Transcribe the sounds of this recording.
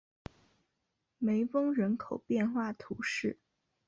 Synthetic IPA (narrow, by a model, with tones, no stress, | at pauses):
me˧˥ɪfɤ˥ŋɻə˧˥nkʰo˨˩ʊpjɛ˥˧nxwa˥˩t̪ʰu˧˥ʂɻ̩˥˩